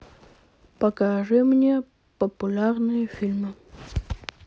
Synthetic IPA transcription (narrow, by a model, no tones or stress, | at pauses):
pəkaʐɨmnʲe | pəpʊlʲarnɨjəfʲilʲmɨ